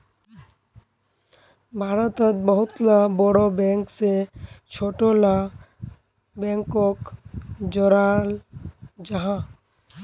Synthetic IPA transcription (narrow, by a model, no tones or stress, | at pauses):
bʱaɾət̪ət̪̚bɔɦʊt̪labɔɽobɛ̃ŋkset͡ʃʰoʈola | bɛ̃ŋkɔkd͡ʒɔɾald͡ʒaɦã